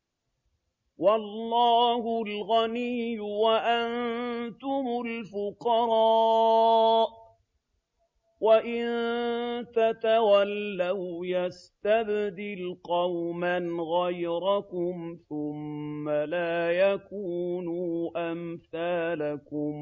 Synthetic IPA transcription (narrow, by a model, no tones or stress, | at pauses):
wɑlːɑːhʊlɣanijːʊwaʔant̪ʊmʊlfʊqɑɾˤɑː | ʔ | waʔɪnnt̪at̪awalːawjast̪abd̪ɪlqɑwmanɣajɾɑkʊmθʊmːalaːjakuːnuːʔamθaːlakʊm